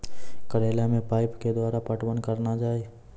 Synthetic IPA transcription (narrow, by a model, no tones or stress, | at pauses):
kəɾeːljamẽpaːɪpked̪waːɾapəʈwənkəɾnad͡ʒaːe